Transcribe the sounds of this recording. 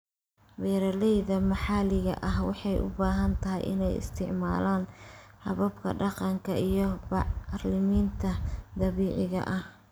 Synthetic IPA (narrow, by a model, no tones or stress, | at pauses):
bɛːɾɐlɛjðɐmɑħɑlɪɣɐ̰ʔɐɦwɑ̰ħɑjʔʊ̰baːɦɐnt̪ʰɐɦɪ̰jʔɪ̰nɛjɪ̰st̪ʰɪʕmaːlaːnhɐβɐbkʰɐ̰ɖɑqɑŋkʰɐʔijɞbɑʕrlɪmiːnt̪ʰɐd̪ɐβiːʕɪɣɐ̰ʔɐh